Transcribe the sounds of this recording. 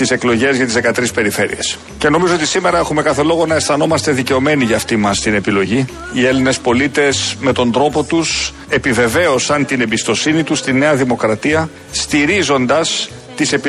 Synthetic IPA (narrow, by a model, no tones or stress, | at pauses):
ise̞klo̞ʝe̞zʝɐt̪izðe̞kɐt̪ɾispe̞ɾife̞ɾḭe̞s | ce̞no̞mizo̞o̞t̪isime̞ɾɐe̞xume̞kɐθe̞lo̞ɣo̞nɐesθɐno̞mɐst̪e̞ðice̞o̞me̞niʝɐːft̪imɐst̪ine̞pilo̞ʝi | ie̞line̞spo̞lit̪e̞sme̞t̪o̞nd̪ɾo̞po̞t̪us | e̞pive̞ve̞o̞sɐnt̪ine̞mbist̪o̞sinit̪ust̪ine̞ɐðimo̞kɾɐt̪iɐ | st̪iɾizo̞nd̪ɐs | t̪ise̞p